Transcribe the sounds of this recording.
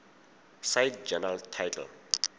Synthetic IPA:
sajtd͡ʒɛnaltʰajtʰɛ̰l

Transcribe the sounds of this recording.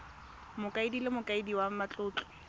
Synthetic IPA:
mʊkʼaɪdilemʊkʼaɪdiwamat͡ɬʼʊːt͡ɬʼɔ̥

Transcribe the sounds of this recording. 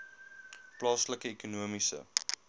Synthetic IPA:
plɑːsləkəekunuəmisə̰

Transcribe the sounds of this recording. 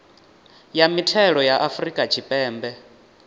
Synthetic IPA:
jamitʰɛɺɔjaʔafrikʼat͡ʃʰipʼɛːmbɛ

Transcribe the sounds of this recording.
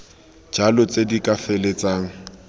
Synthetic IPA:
d͡ʒalʊt͡sʼedikʼafɛlet͡saːŋ̩

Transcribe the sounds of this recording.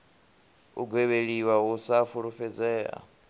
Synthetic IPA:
ṵɡweβeɺiwausafuɺuɸɛd͡zɛːa̰

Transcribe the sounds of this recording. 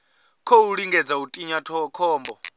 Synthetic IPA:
kʰɔuɺiŋɡɛd͡zautʼiɲatʰɔkʰɔːmbɔ

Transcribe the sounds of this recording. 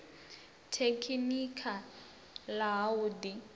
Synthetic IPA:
tʰekʰinikʰa | laɦauːdi

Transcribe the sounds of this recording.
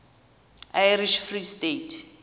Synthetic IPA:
ajriʃfristetʰ

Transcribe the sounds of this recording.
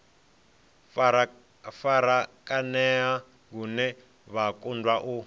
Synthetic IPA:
faɾakʼanɛa | ɡunɛ | βakundwaʔu

